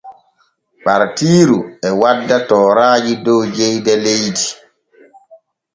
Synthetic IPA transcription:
ɓaɾtiːɾuɛwadːatɔːɾaːd͡ʒidɔwd͡ʒejdɛlejdi

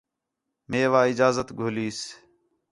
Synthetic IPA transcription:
meːʋaːɪd͡ʒaːzət̪ɡʱoːliːs

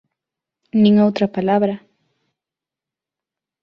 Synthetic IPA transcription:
nĩŋowt̪ɾapalaβɾa

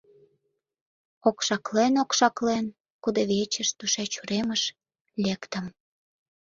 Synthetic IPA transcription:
okʃɑklenokʃɑklen | kud̪eβet͡ɕəʃt̪uʃet͡ɕuɾeməʃ | lekt̪əm

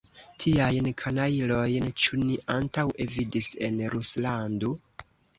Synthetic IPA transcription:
tʰiajnkʰanailo̞jnt͡ʃuniʔantawʔevidise̞̰nɾuslando

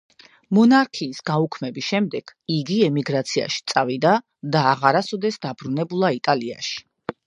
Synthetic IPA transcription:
mɔnaɾkʰiːsɡ̥aukʰmɛbisʃɛmd̪ɛɡ̥ʰiɡiɛmiɡɾat̪sʰia̰ʃi̥t̪sʼavid̪a | d̪aːʁaɾasɔd̪ɛsd̪abɾunɛbulˠait̪ʼalia̰ʃi̥

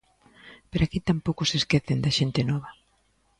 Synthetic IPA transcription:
peɾakit̪ampowkʊseskeθend̪aʃent̪ɪnɔβɐ

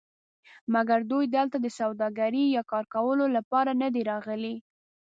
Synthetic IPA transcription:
maɡaɾd̪ujd̪əlt̪ad̪əsawd̪ɑɡaɾijɑkɑɾkawəlolapɑɾanad̪iɾɑɣəli

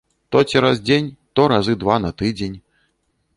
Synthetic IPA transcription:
t̪ɔt͡sʲiɾazd͡zʲenʲt̪ɔɾazɨd̪vanɐt̪ɨd͡zʲenʲ

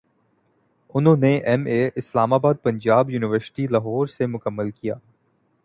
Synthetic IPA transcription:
ʊnɦõːneʔɛmeʔɪslaːmaːbaːd̪̚pɐ̃ɲd͡ʒaːbjuːnɪʋəɾsɪ̥ʈilɐɦɔːɾsemʊkəmːəlkija̰ː

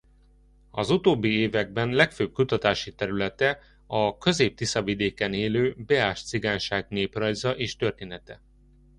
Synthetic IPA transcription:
ɒzut̪oːbːieːvɛɡ̚bɛnlɛkføːb̚kut̪ɒt̪aːʃit̪ɛɾylɛt̪ɛ | ɒkø̞zeːp̚t̪isɒvid̪eːkɛneːløːbɛaːʃt̪siɡaːnʃaːɡneːprɒjzɒʔeːʃt̪ø̞rt̪eːnɛt̪ɛ̰

